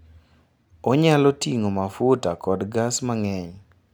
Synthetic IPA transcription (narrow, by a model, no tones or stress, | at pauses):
ɔɲalɔtiŋomafutakɔdɡasmaŋɛɲ